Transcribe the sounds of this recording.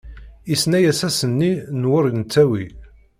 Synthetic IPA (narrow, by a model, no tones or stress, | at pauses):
isnæjæsæsənːinwʊɾnt͡sːæwi